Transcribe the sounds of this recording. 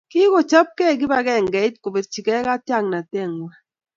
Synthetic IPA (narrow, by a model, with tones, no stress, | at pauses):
ki˦ko˨t͡ʃa˦p̚kɛ˦˨ɡɪ˦ba˦ɡɛ˦˨ŋɡɛ˨i˦t̚ko˨be˨t̚t͡ʃi˨kɛ˦ka˦tja˦˨ŋna˨te˦˨ŋwa˦